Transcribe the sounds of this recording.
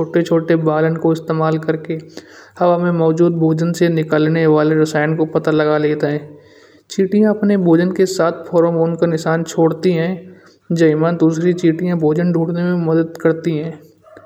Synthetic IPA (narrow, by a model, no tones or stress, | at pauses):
oːʈet͡ʃʰoːʈebaːlənkoɪst̪eːmaːlkɐɾkeɐbəmẽmɔːd͡ʒuːd̪̚bʱoːd͡ʒənsenɪkəlneʋaːleɾɐsaːɪnkopɐt̪alɐɡaleːt̪aɦɛ̃ː | t͡ʃiːʈijãɐpnebʱoːd͡ʒənkesaːt̪ʰfʰɔːɾõmoːnkanɪʃaːnt͡ʃʰoːɽt̪iɦɛ̃ | d͡ʒɐɪmãnd̪uːsɾit͡ʃiːʈijãbʱoːd͡ʒənɖʱuːɽnemẽmɐd̪əd̪kɐɾt̪iɦɛ̃ː